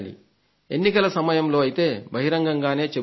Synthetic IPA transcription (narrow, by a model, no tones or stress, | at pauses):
lḭ | enːikɐlɐsɐmɐjɐmlo̞ːɐjit̪e̞ːbʱɐɦiɾɐŋɡɐŋɡaːne̞ːt͡ʃe